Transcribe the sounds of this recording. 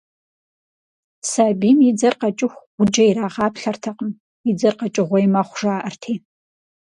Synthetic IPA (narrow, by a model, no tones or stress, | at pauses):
saːbimid͡zɐrqat͡ʃʼɪxʷ | ʊd͡ʒɐiraːʁɑːpʰɬɐrtʰɐqʼəm | id͡zɐrqat͡ʃʼɪʁʷɔjmɐχʷʐaːʔɐrtʰiː